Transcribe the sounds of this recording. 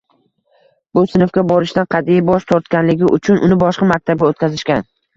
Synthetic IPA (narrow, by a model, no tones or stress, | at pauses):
bʊsɪnɪfɡʲabɒɾɪʃt̪anqʰɑd̪ijbɒʃt̪ʰɒɾt̪kʲanlɪɡʲɪʔʊt͡ʃʰʊnʔʊnɪbɒʃqɑmak̚ʲt̪ʰab̚ɡʲaot̪̚kʲʰazɪʃkʲan